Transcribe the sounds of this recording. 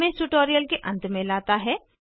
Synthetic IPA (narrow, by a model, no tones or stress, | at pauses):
mẽsuʈoːɾijəlkeʔɐ̰̃nt̪mẽlaːt̪aɦɛː